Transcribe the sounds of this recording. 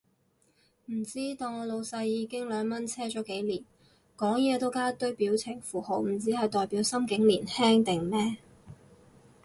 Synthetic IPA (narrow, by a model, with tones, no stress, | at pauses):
m̩˨˩t͡siː˥t̪oː˨˧ŋɔː˨˧lo˨˧wsɐ˧jːiː˨˧kɪ˥ŋlœː˨˧ŋmɐ˥nt͡sʰɛː˥t͡ʃɔː˨˥ke˨˥jliː˨˩n | kɔː˨˥ŋjɛː˨˧t̪o˥wkaː˥t̪ɵ˥ɥpiː˨˥wt͡sʰɪ˨˩ŋfuː˨˩ho˨˧wm̩˨˩t͡siː˨˥hɐ˨jt̪ɔː˨jpiː˨˥wsɐ˥mkɪ˨˥ŋliː˨˩nhɛː˥ŋt̪ɪ˨ŋmɛː˥